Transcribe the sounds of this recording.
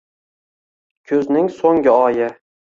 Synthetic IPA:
kʲʰɵznɪŋsoŋɡʲɪɒjɪ

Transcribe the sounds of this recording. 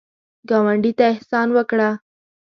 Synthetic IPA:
ɡɑwaɳɖit̪aɪhsɑnwəkɽa

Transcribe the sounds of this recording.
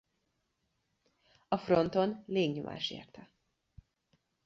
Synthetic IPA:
ɒfro̞nt̪o̞nleːɡɲo̰mʔa̰ːʃḛːrt̪ɛ

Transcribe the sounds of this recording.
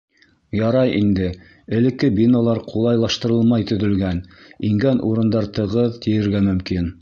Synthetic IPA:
jɑɾɑjʔind̪ɘ | ɘ̆lɘ̆kːɘbʲinolˠɑɾqʰulˠɑjlˠɑʃt̪ɤ̆ɾɤlˠmɑjt̪ɵ̆ðɵ̆lɡæniŋɡænʔṵɾɤ̆nd̪ɑɾt̪ɤ̆ʁɤðt̪ijɘ̆ɾɡæmɵ̆mkin

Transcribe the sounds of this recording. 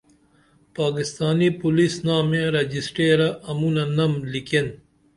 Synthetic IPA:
paːkist̪aːnipulisnaːmẽɾed͡ʑisʈeːɾɐʔɐmunɐnɐmliken

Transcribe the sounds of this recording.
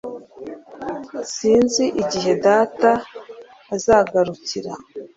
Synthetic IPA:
siːnziʔiɟiɦe̞daːtaː | zaɡaɾuciɾa

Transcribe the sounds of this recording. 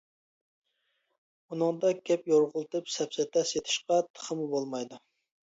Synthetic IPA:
unɨŋd̪ɑɡʲɛpjoɾʁʊlˠt̪ɨpsɛpsɛt̪ʰɛʃjet̪ʰɪ̥ʃqɑt̪ʰə̥χəmubolˠmɑjd̪u

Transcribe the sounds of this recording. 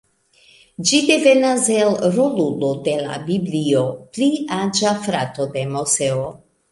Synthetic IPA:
d͡ʒid̪evenazelɾolulod̪ela̰bibliopliad͡ʒafɾat̪od̪emoseo

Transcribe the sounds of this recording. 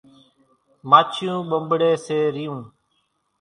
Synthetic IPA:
maːt͡ʃʰjũːɓəmbɽeːseːɾijũː

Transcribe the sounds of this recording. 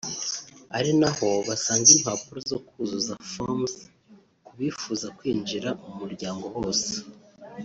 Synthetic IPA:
aɾinaho̞βasaːŋɡim̥haːpuɾozo̞kuzuzafoms | kuβiːfuːzakwiːnd͡ʒiɾamumuɾɟaːŋɡo̞ho̞ːse̥

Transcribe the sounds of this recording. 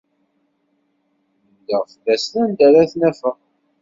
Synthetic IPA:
d̪əʁfəðæslænd̪æɾæθnæfəʁ

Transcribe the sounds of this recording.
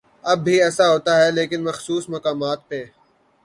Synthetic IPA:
ɐbːiɛːsaɦoːt̪aɦɛleːkɪnmɐxsuːsmɐkaːmaːt̪̚pe

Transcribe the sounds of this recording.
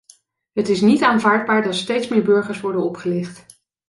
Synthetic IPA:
ɦətɪsnitaːnvaːɹd̚baːɹdɑtstejtsmɪːɹbɵɹχəɹsʋɔɹdənɔpχəlɪχt

